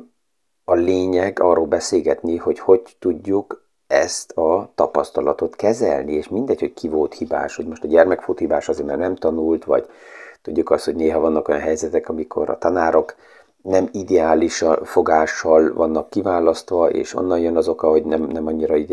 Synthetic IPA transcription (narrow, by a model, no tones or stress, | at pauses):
ɒleːɲɛɡɒrːoːlbɛseːɡɛt̪niho̞cho̞ɟt̪uɟːuk | ɛst̪ʰɒt̪ɒpɒst̪ɒlɒt̪o̞t̪kɛzɛ̰lnieːʃmind̪ɛcho̞ckʰivolt̪hiba̰ːʃho̞ɟmo̞ʃt̪ɒɟɛrmɛkfut̪hibaːʃɒzeːɾmɛːrnɛmt̪ɒnult̪ʋɒ̰ɟ | t̪uɟːukɒst̪ho̞ɟneːɦɒvɒnːɒko̞jɒnɦɛjzɛt̪ɛkɒmikʰo̞̰ɾɒ̰t̪ɒnaːɾo̞k | nɛmid̪ɛaːliʃfo̞ɡaːʃːɒlvɒnːɒkːivaːlɒst̪ʋɒʔḛːʃo̞̰nːɒnjønɒzo̞kɒɦo̞ɟnɛmnɛmɒɲːiɾɒi